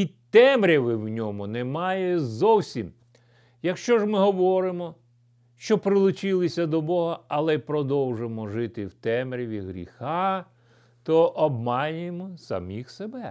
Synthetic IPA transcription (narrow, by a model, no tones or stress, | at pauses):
it̪ɛmɾʲiʋɪwnʲɔmʊnɛmɑjɛzɔwsʲim | jɐkʃt͡ʃɔʒmɪɦɔʋɔɾɪmɔ | ʃt͡ʃɔpɾɪlˠʊt͡ʃɪlˠɪsʲɐd̪ɔbɔɦɐɐlˠɛpɾɔd̪ɔwʒɪmɔʒɪt̪ɪwt̪ɛmɾʲiʋʲiɦɾʲḭxɑ | t̪ɔʔɔbmɑnʲʊjemɔsɐ̰mʲixsebɛ